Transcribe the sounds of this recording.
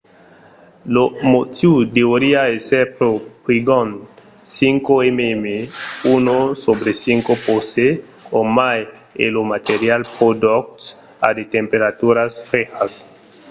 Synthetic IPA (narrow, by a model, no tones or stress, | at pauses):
lomot̪ud̪eoɾiaesepɾopɾiɡon | siŋkoememeunosobɾesiŋkopose | omaj | ḛlomat̪eɾjalpod̪ok̚t | a̰d̪et̪empeɾat̪uɾasfɾexas